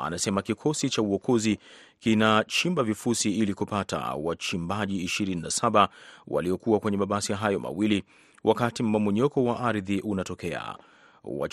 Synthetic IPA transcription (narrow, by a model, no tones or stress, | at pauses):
a̰nasɛmakikʰɔsit͡ʃauɔkʰɔzikinat͡ʃimbavifusiilikupata̰wat͡ʃimbaʄiːʃiɾininasaɓawa̰liɔkuwakwɛɲɛmaɓasijaɦajɔmʔa̰wili | wʔakatim̩mamuɲɔkɔwaʔaɾðiʔunatɔkɛa̰ | wa̰